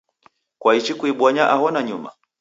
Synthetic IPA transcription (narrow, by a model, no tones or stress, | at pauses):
kwait͡ʃikuiɓwaɲaʔahɔnaɲuma̰